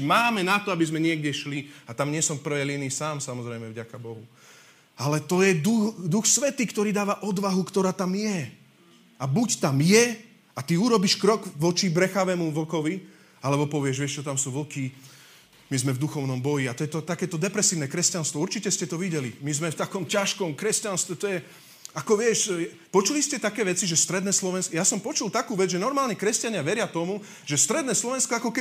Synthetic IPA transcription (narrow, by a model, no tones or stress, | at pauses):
maːmɛnat̪ɔabizmɛɲɪɛɡɟɛʃliat̪amɲɪɛsɔmfpr̩ʋɛjliniːsaːmsamɔzɾɛjmɛvɟakabɔɦu | alɛt̪ɔjɛd̪ud̪uxsʋɛt̪iːkt̪ɔɾiːd̪aːʋaʔɔd̪ʋaɦukt̪ɔɾaːt̪amjɛ | abuct̪amjɛ | at̪iuɾɔbiʃkɾɔɡʋɔt͡ʃibɾɛxaʋɛːmuʋlkɔʋi | alɛbɔpɔʋɪɛʒʋɪɛʃt͡ʃɔt̪amsuːʋlki | mizmɛvd̪uxɔʊnɔmbɔjiat̪ɔjɛt̪ɔt̪akɛːt̪ɔd̪ɛpɾɛsiːʊnɛkɾɛscanst̪ʋɔuɾt͡ʃicɛscɛt̪ɔʋiɟɛlimizmɛft̪akɔmcaʃkɔmkɾɛscanst̪ʋɛt̪ɔjɛ | akɔʋɪɛʃjɛ | pɔt͡ʃuliscɛt̪akɛːʋɛt͡siʒɛst̪ɾɛd̪nɛːslɔʋɛnsjasɔmpɔt͡ʃulˠt̪akuːʋɛd͡zʒɛnɔɾmaːlɲɛkɾɛscaɲɪaʋɛɾɪat̪ɔmu | ʒɛst̪ɾɛd̪nɛːslɔʋɛnskɔakɔkɛ